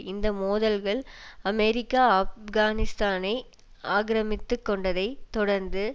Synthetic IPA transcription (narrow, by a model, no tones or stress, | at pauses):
ɪnd̪ɐmoːðɐlɣɐɭɐmɛɾɪkːaːɐfɣaːnɪst̪aːnɐɪ | aːɣɾɐmɪt̪ːɯkːɔɳɖɐðɐɪt̪ɔɽɐɾnd̪ɯ